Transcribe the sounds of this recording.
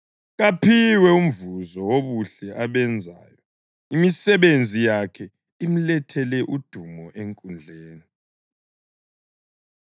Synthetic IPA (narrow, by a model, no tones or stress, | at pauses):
ɣapʰiwɛum̩vuzɔwoβuɬɛʔaβɛnd͡zʱa̰ːjɔ | imisɛβend͡zʱijakʰɛ | im̩lɛtʰɛlɛʔud̥ʱumɔʔeŋkʼund͡ɮʱeːni